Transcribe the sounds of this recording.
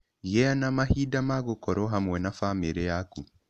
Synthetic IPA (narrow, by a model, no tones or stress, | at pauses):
jɛanamahiːdamaɣokɔɾɔɦamwɛnafameɾejaku